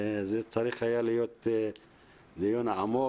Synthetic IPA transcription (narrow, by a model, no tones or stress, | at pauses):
zet͡saɾiχajalijot̪ | d̪ijonamo